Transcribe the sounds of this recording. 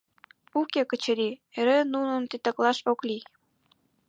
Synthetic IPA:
ukekət͡ɕəɾieɾenunənt̪it̪ɑklɑʃokli

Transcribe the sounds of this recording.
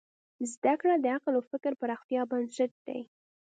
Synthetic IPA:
zd̪akɽad̪əaqlawfɪkɾpəɾɑxt̪ijɑbansaʈ̚d̪̥a̰j

